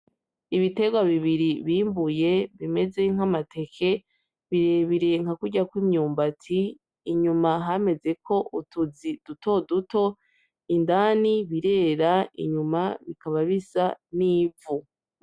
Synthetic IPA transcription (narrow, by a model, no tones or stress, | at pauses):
iβite̞ɡwaβiβiɾiβiːmbuje̞βime̞ze̞ŋ̥amatʰe̞kʰe̞ | βiɾe̞βiɾeŋ̥hakuɟakwimɲuːmbatʰiː | ɲumaɦame̞ze̞ko̞ʔutuzid̥uto̞duto̞ | indaːniβiɾe̞ːɾaḭɲumaβikaβaβisaniːvu